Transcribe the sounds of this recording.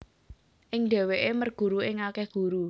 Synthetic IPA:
ʔɪŋɖ̪e̤weʔemərɡ̥ṳɾuɪŋakɛhɡ̥ṳɾu

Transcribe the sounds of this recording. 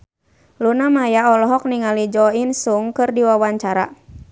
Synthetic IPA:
lunamajaɔlɔɦɔk̚niŋalid͡ʒɔinsuŋkɨrdiwawaɲt͡ʃaɾa̰

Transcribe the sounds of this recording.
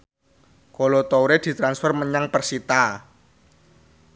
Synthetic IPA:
kolot̪owɾed̪̥i̤t̪ɾansfərməɲaŋpərsit̪a

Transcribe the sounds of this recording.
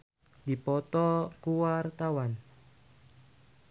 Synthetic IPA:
d̪̥i̤pɔt̪ɔkuwart̪awan

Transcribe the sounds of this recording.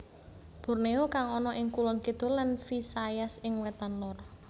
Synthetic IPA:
b̥o̤rneokaŋɔnɔʔɪŋkulɔnkid̪̥ɔ̤lanfisajasɪŋwɛt̪anlɔr

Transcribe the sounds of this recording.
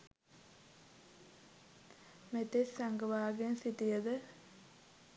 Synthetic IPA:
met̪essaŋɡəʋaːɡensit̪ijəd̪ə

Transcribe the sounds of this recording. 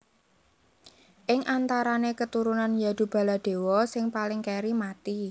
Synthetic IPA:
ʔɪŋʔant̪aɾanekət̪uɾunanjad̪̥ṳb̥a̤lad̪̥e̤wɔsɪŋpalɪŋkeɾimat̪i

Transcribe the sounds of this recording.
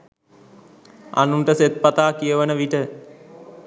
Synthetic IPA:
a̰nuɳʈəset̪̚pat̪aːkijəʋənəʋiʈə

